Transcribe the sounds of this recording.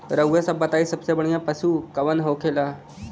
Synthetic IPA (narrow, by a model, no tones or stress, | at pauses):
ɾəɡʋjasəbət̪aisəpsabəɳjapəsuːkəʋənɦokʰela